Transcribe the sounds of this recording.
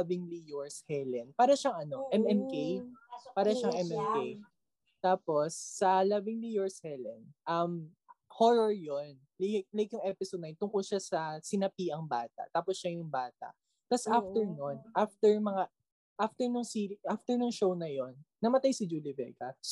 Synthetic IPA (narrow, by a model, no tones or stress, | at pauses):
bɪŋlijoɹshɛlɛnpaːɾɐʃɐŋʔɐno̞ʔɛmɛmkejpaːɾɐʃɐŋʔɛmʔɛmkej | t̪aːpo̞sːɐlɐbɪŋlijoɹshɛlɛnʔɐm | hoɹɔɹjon | lk̚lajkjʊŋʔɛpɪsod̪̚nɐajnt̪ʊŋkolʃasɐsɪnɐpiːʔɐŋbaːt̪ɐ̰ʔt̪aːposʃajʊŋbaːt̪ɐ̰ʔ | t̪ɐsʔaft̪ɛɹnonʔaft̪ɛɹmɐŋa | ʔaft̪ɛɹnʊŋsiːɾiʔaft̪ɛɹnʊŋʃo̞wnɐjonːɐmɐt̪ajsɪd͡ʒulɪvɛ̰kɐ